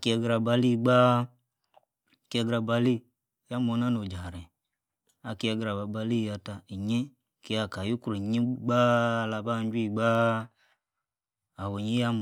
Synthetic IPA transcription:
ki˦a˧ɡɾa˧˨ba˧li˦ɡ͡ba˦˨ | ki˦a˧˦ɡɾa˧ba˧li˦˨ | ja˦mo˨˦na˦no˨d͡ʒa˨ɾe˨ | a˨ki˦a˧ɡɾa˨ba˨ba˧li˦˨ja˧ta˧˨i˨ɲe˦ | ki˨˦a˨ka˨ju˦ku˦ɾe˨ɲi˦ɡ͡ba˦˧la˨˧ba˦n˦d͡ʒi˦i˦˨ɡ͡ba˦ | a˨wo˨ɲi˦ja˦m˨

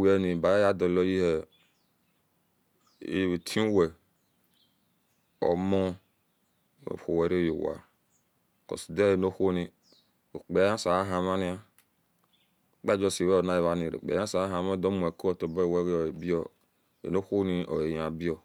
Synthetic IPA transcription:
wi˨ɛ˨ni˨ba˨˦ja˦dɔ˨lɔ˦ji˦hɛ˨ | ḭ˦˨we˨tʰĩ˦wɛ˨ | ɔ̰˨mɔ˦˨ | xo˨wɛ˨ɾe˦jo˨wa̰˨ | ko̰˨si˨de˦e˨no˦xo˦ni˨ | o˨k͡pe˨˦a˦sa˨a˦ɦa˨ma˦ni˦a˦˨ | k͡pa˦d͡ʒo˦˨si˨wɛ˦o˨na˦ji˨βa˨˦ni˨ɾḛ˨k͡pḛ˨˦a˦sa˨˦ɦa˨ma˦do˦mu˨e˨ko˦ɔ˨to˨ba˦˨wɛ˦wbi˦ɔ˦˨ | ḛ˨no˦ho˦ni˦ʔo˨e˨ja˨bi˦ɔ˨

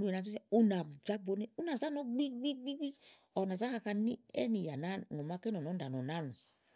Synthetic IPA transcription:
u˨˦e˨a˨d͡ʒu˦a˦u˧na˨d͡ʒa˦bo˨˦ne˦u˦na˨za˦no˦ɡ͡bi˦ɡ͡bi˦ɡ͡bi˦ɡ͡bi˦ | ɔ˨na˨za˦ka˧ka˧ni˦ɛ̰˦ni˨ja˨na˦˨no˨ma˧ke˦nɔ˨nɔ˨˦n˦da˨nɔ˨na˦˨nu˨

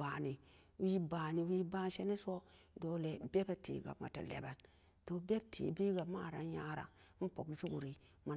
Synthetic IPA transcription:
a˨ni˨ | wi˦baː˨ni˨wi˦ba˦n˦ʃe˦ne˦so˦ | do˨le˨be˦ba˨tḭ˨ɡa̰˨ma̰˨ta̰˨lḛ˨ba˨n | to˨be˦b̚tʰḭ˨bi˦ɡa˨ma˦˨ɾa̰˨˦ja˦ɾa̰˨˦ | n̩˦po˨kd͡ʒu˦ɡu˨ɾi˨ | ma˨

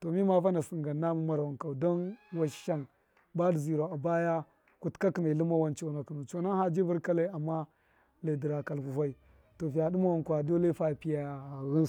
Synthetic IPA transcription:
to˨mi˦ma˨va˦na˨si˨ŋɡa˨na˦mu˦ma˨ɾa˨nka˨wdo˦nwa˦ʃʃa˦n | ba˦dzi˨ɾo˨a˨ba˦ja˦ | ku˨tka˦kna˨lə˦ma˦wa˦nt͡ʃo˨na˨knu˨t͡ʃo˦˨na˦ha˦d͡ʒi˦vu˦ɾka˦la˦a˨mːa˦ | la˨di˨ɾa˨ka˨lku˨fa˦i˨ | to˨vi˨ja˨du˦ma˦wa˨nkʷa˨do˦la˦fa˦˨pi˦ja˨ɣi˦n˨

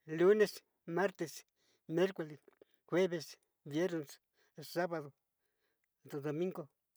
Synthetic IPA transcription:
lu˦ne˨s | ma˦ɾt̪e˨s | me˦ɾkoles | xwe˦βe˨s | bje˦ɾnes | sa˦βaðo˨ | d̪od̪omĩ˦ŋɡo

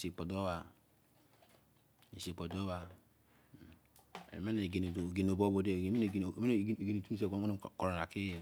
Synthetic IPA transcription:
si˨k͡pɔ˨do˦wa˨ | i˨si˨k͡po˨do˦wa˨ | ḛ˨me˦ne˨ɡe˨n˨ɡe˨no˨bo˦bo˨de˦˨me˦ne˨me˦˨˦ɡe˨ni˨tu˦s̬e˦˨ɡo˦˨ko˨ɾo˨na˨ki˦˨

